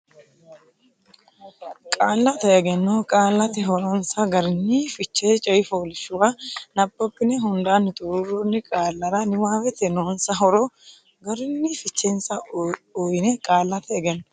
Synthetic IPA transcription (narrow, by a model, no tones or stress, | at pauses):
kʼaːlːɐt̪ɐɛɡɛnːɔkʼaːlːɐt̪ɪɦɔɾɔnsɐɡɐɾɪnːiːfɪt͡ʃːeːt͡ʃʼɐjɪfoːlɪʃʊwanɐbːɔpːɪnɛɦʊnd̪aːnːɪt̪ʼʊɾʊrɔnːɪkʼaːlːɐɾɐnɪwaːwɛt̪ɛnoːnsɐɦɔɾɔ | ɡɐɾɪnːifɪt͡ʃːensɐɔjɪnɛkʼaːlːɐt̪ɐɛɡɛnːɔ̥